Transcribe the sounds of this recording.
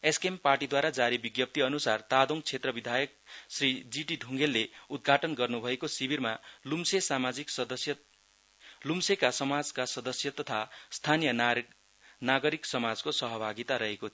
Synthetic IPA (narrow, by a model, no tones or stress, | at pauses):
eskemparʈid̪waɾad͡zaɾibiɡjʌp̚t̪iʌnusart̪ad̪oŋt͡sʰet̪rʌbid̪ʱajʌk̚srid͡ziʈiɖʱuŋɡelːeud̪̚ɡʱaʈʌnɡʌrnubʱʌekosibirmalumsesamad͡ziksʌd̪ʌsjʌ | lumsekasʌmad͡zkasʌd̪ʌsjʌt̪ʌt̪ʰast̪ʰanijʌ | naɡʌɾiksʌmad͡zkosʌɦʌbʱaɡit̪aɾʌɦeko